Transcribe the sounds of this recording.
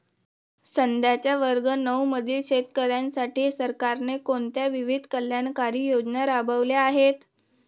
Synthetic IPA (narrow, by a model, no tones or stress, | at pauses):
sənd̪ʱjat͡ɕjaʋəɾɡənəwməd̪ʱiːlɕet̪kəɾjansaʈiːsəɾkaɾnekoɳt̪jaʋiʋid̪ʱkəljankaɾiːjod͡ʑnaɾabʱəʋljaːɦet̪